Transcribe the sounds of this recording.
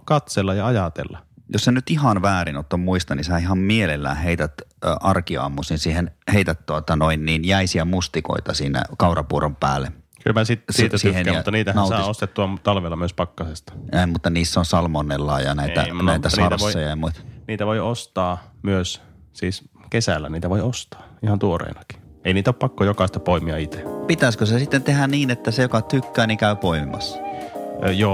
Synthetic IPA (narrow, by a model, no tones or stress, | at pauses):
kɑt̪selːɑjɑɑjɑt̪ḛlːɑjossenyt̪ihɑnʋæːɾinot̪ːommuist̪ɑnisæihɑmmielelːæ̰ːheit̪æt̪ːʔɑrkiɑ̰mːusinsiːhenheit̪æt̪t̪uot̪ɑnoinniːnjæisiæmust̪iko̰it̪ɑsiːnæ̰kɑurɑpuorompæ̰ːlːe | kylmæsit̪siːt̪æsihenːɑt̪ːniːt̪ænɑˑɑiost̪et̪ːuɑt̪ɑlʋelːɑmyøspɑkːɑsest̪ɑ̥emut̪ːɑniːsːonsɑlmonːelːɑ̰ːjɑ̰næˑiæ̰næˑit̪æssnɑrtæsʋoiojɑjɑmuit̪ɑ̥niːt̪æʋoiost̪ɑːmyøs | siːs | kesælːæniːt̪æʋoiost̪ɑ̥ːihɑnt̪uorḛinɑki̥eˑiniːt̪oppɑkːojokɑˑist̪ɑpoimiɑit̪e̥pit̪æskøsesit̪ːent̪ehænniːnet̪ːæsejokɑt̪ykːæːnikæypoimimɑ̰sːɑ̥ | joː